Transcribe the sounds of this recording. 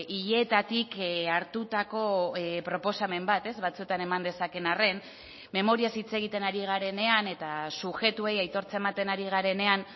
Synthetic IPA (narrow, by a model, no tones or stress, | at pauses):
iʎe̞ːt̪at̪ikaɾt̪ut̪ako̞pɾo̞po̞same̞mbat̪e̞zβat͡sue̞t̪ane̞mand̪e̞sake̞nare̞n | me̞mo̞ɾiasit͡se̞ɣ̞it̪e̞naɾiɣ̞aɾe̞ne̞ane̞t̪asuxe̞t̪ue̞jajt̪o̞ɾt͡se̞mat̪e̞naɾiɣ̞aɾe̞ne̞an